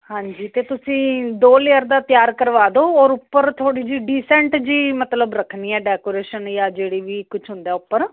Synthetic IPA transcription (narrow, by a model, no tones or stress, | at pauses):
hãːɲd͡ʒiːt̪eːt̪ʊsĩːd̪oːleːəɾd̪aːt̪ɪjaːɾkəɾʋaːd̪oːɔːɾʊpːəɾt̪ʰoːɽiːd͡ʒiːɖiːsɛ̃ːɳʈd͡ʒiːmət̪ləbɾəkʰniːɛːɖɛːkoːɾeːʃənjaːd͡ʒeːɽiːʋiːkʊt͡ʃʰɦʊ̃nd̪ɛːʊpːəɾ